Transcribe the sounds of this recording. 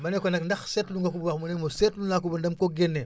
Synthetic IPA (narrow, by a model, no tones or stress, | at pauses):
manekonakndaxsetluŋɡakubuwakmunemosetluŋnak̬ubundamkoɡenːe